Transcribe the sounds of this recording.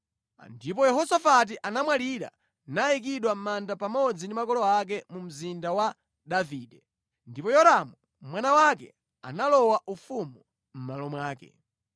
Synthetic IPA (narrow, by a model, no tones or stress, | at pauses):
ndip̬ɔjɛɦɔsafat̬iʔanamwaliɾa̰ | naik̬iɗwam̩mandapamɔd͡zindimakɔlɔak̬ɛmum̩zindawa | ɗaviːɗɛ | ndipɔjɔɾamu | mwanawakɛ̰ | a̰nalɔwaʔufumu | m̩malɔmwaːkɛ̰